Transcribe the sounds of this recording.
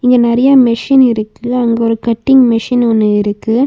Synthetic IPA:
ɪŋɡɐnɐɾɐjamɪʂɪnɪɾɯkːɯɐŋɡɐɔɾɯkɐʈːɪŋmɪʂɪnɔnːɯɪɾɯkːɯ

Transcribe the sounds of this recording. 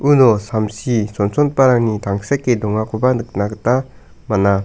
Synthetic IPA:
unɔsamsisɔnsɔnpaɾaŋnitaŋsekːedɔŋakʰubanɯk̚naɡɯta | mana

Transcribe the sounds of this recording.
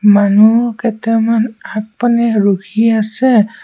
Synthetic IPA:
manukɛtɛmanak̚panɛɹukʰiasɛ

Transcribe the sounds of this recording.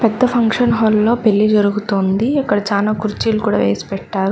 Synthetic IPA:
pɛd̪ːɐpʰɐŋkʂɐnɦɔːlːo̞ːpelːid͡ʒɐɾuɡut̪oːnd̪iɐkːɐɽɐt͡ʃaːlaːkuɾt͡ʃiːlukuːɽa̰ːʋeːsi̥pɛʈːaːɾu

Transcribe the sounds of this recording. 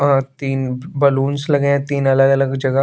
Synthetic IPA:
ɦãt̪iːnbɐluːnslɐɡẽɛ̃t̪iːnɐləɡɐləɡd͡ʒɐɡə

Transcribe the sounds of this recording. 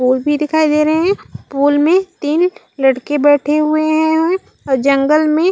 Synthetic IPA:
puːlbʱid̪ɪkʰaːid̪eːɾɐɦɦɛ̃puːlmẽt̪iːn | lɐɽkebɛːʈʰeɦʊeɦɛ̃ɦɛ̃ | ɔːɾd͡ʒɐ̃ŋɡəlmẽ

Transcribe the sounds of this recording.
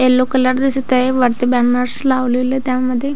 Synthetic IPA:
elːokələɾd̪isit̪eʋəɾt̪əbanəɾslaʋliʋlet̪jaməd̪ʱːje

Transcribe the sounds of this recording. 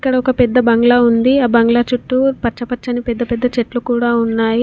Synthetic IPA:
ikːɐɽɐɔkɐpɛd̪ːɐbɐŋɡlaund̪iɐːbɐŋɡlat͡ʃuʈːupɐt͡ʃːɐpɐt͡ʃːɐnipɛd̪ːɐpɛd̪ːɐt͡ʃeʈlukuːɽaːunːaːji

